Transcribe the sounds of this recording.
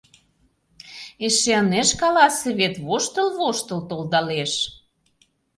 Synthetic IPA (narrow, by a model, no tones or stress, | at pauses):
eʃeəneʃkɑlɑseβet̪βoʃt̪ə̆lβoʃt̪ə̆lt̪old̪ɑleʃ